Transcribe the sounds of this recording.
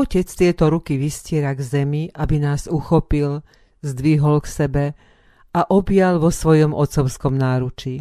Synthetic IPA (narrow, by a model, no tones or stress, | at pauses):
ɔcɛt͡st̪ɪɛt̪ɔɾukiʋiscɪɛɾaɡzɛmiʔabinaːzuxɔpil | zd̪ʋiɦɔlksɛbɛ | aʔɔbjalʋɔsʋɔjɔmʔɔt̪sɔʊskɔmnaːɾut͡ʃi